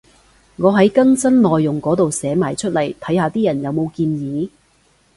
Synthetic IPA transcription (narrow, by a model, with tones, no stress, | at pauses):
ŋɔː˨˧ɦɐ˨˥jkɐ˥ŋsɐ˥nlɔː˨jːʊ˨ŋkɔː˨˥t̪o˨wsɛː˨˥maː˨˩jt͡ʃʰɵ˥t̚lɐ˨˩jt̪ʰɐ˨˥jhaː˧t̪iː˥jɐ˨˩njɐ˨˧wmo˨˧wkiː˧njiː˨˧